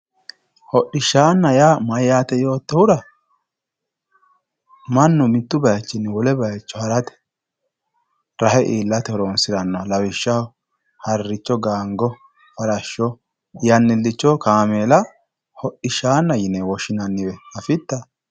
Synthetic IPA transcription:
hɔɗːɪʃːaːnːɐjaːmɐjaːt̪ɛjo̞ːt̪ːɛhʊɾɐ | mɐnːʊmɪt̪ːʊbɐjt͡ʃːɪnːɛwɔlɛbɐjt͡ʃːɔhɐɾɐt̪ɛ̥ | ɾɐhɛʔiːlːɐt̪ɛhɔɾoːnsɪɾɐnːɔlɐwɪʃːɐ | hɐrːɪt͡ʃːɔɡaːŋɡɔ | fɐɾɐʃːɔ | jɐnːɪlːɪt͡ʃːɔkaːmeːlɐ | hɔɗɪʃːaːnːɐjɪnɛwɔʃɪnɐnːɪwɛɐfɪt̪ːɐ

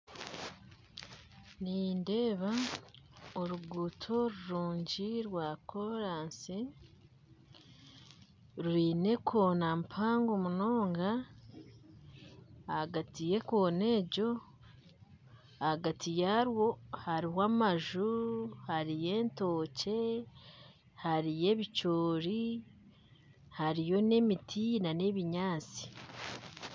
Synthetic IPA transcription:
ninde̞ːβa | oɾuɡuːtʰo̞ɾuɾuːɲɟiɾwaːkʰoɾaːnsi | ɾwiːne̞kʰonampʰaːŋɡomuno̞ːŋɡa | haɡatije̞koːne̞ːɟo̞ | ahaɡatʰijaɾwo̞haɾihwaːmaʒuhaɾije̞ːnto̞ːce̞ | haɾije̞βit͡ʃoːɾi | haɾijo̞ne̞mitʰinane̞βiɲaːt͡si̥

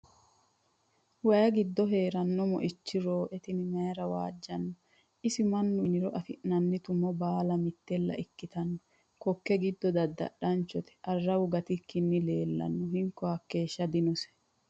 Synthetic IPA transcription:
wɐjɐɡɪd̪ːɔɦe̞ːɾɐnːɔmɔ̰ʔɪt͡ʃːɪɾoːʔɛt̪ɪnɪmɐjɐɾɐwa̰ːd͡ʒːɐnːɔ | ʔɪsɪmɐnːʊnɪɾɔʔɐfɪ̰ʔnɐnːɪt̪ʊmɔbaːlɐmɪt̪ːɛlːɐ̰ʔɪkːɪt̪ɐnːɔ̥ | kɔkːɛɡɪd̪ːɔd̪ɐd̪ːɐ̰ɗɐnt͡ʃːɔt̪ɛ̥ʔɐrːɐwʊɡɐt̪ɪkːɪnːɪle̞ːlːɐ̰nːɔɦɪŋkːɔhɐkːe̞ːʃːɐd̪ɪnʊsɛ̥

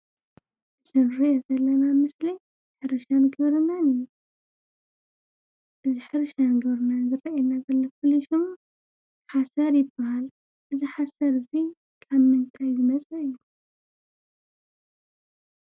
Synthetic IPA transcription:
z̥ɨβɾijazɐlːɐnamɨsli | ħɨɾɐʃanɡɐβɾɨnanɨju | ʔɨziħɨɾʃanɡɐβɾɨnanzɨɾɐʔɛnazɐlːɐkʰuliʃum | ħasɐɾjɪbːahal | ʔɨziħasɐɾɨzi | kʰʼaβmɨnt̪ʰajzɨmɐt͡sʼɐɨjːu

